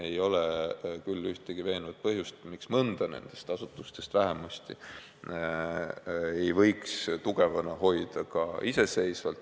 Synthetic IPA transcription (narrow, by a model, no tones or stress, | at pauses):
e̞jo̞lekylːyht̪eɡ̥ive̞ːnvɑt̪̚pɤɦjust̪miksmɤnd̪̥ɑne̞̰nd̪̥e̞st̪ɑsut̪ːˑust̪e̞st̪væɦemɑst̪i | e̞jvɤjkst̪uɡ̥e̞vɑnɑho̞jd̪̥ɑkɑʔise̞se̞jsvɑlt̪